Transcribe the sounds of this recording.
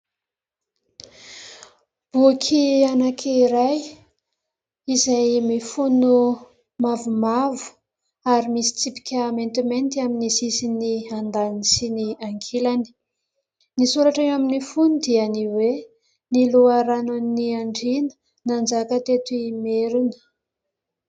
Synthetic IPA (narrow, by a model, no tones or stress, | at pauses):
b̥ukʰianakʰiɾaj | izajmifunu | mavumavu̥ | aɾimisi̥t͡sipi̥kʲaːment̪iment̪iaminisisiniand̪anisiniaŋkʰilani̥ | nisuɾaʈ͡ʂaŋaminifunud̪ianiwe | niluaɾanuniaɳɖ͡ʐinə̥ | nand͡zakət̪et̪uimeɾunə̥